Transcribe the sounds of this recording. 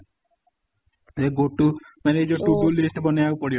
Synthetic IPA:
eɡoʈu | mɛɾed͡ʒɔʈuʈulisʈbɔnejaupɔɽi

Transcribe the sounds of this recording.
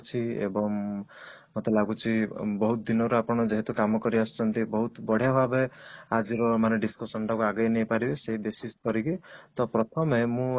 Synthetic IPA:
t͡ʃʰiḛbɔŋ | mot̪elaɡut͡ʃʰibɔɦut̪d̪inɔɾuapɔɽ̃ɔd͡ʒeɦet̪ukamɔkɔɾiast͡ʃʰɔnt̪ibɔɦut̪bɔɽ̤jaɦabead͡ʒiɾɔmaneɖiskɔsɔnʈakuaɡɔjnejpaɾibeseɦibesiskɔɾikit̪ɔpɾɔt̪ʰɔmemũ

